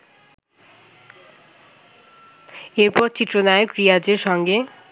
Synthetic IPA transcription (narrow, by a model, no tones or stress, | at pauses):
eɾpɔɾt͡ɕit̪ːɾonaeokɾijad͡ʑeɾʃɔŋɡe